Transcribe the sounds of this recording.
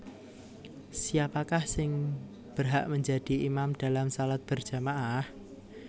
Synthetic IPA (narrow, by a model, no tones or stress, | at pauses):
siapakahsɪŋ | b̥ərɦa̰ʔməɲd͡ʒa̤d̥i̤imamd̥a̤lamsalat̪̚b̥ərʒ̥a̤maʔah